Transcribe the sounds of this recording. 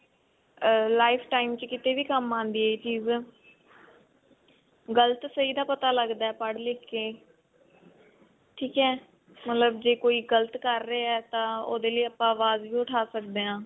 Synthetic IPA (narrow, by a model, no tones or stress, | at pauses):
laːɪpʰʈaːimt͡ʃəkɪt̪eːʋiːkəmːãːnd̪iːeːt͡ʃiːz | ɡələt̪səiːd̪aːpət̪aːləɡd̪aːɛːpəɽlɪkːeː | ʈʰiːkɛː | mət̪ləbd͡ʒeːkoːiːɡələt̪kəɾːeːɛːt̪ãːo̰ːd̪eːləiːəpːãːʋaːzʋiːʊʈʰaːsəkd̪eːãː